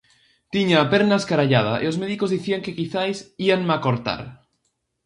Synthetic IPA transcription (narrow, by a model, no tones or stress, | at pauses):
t̪iɲaːpeɾnaskaɾaʎað̞a̰ʔeozmeðiko̞zðiθiaŋkekiθajsianmakoɾt̪a̰ɾ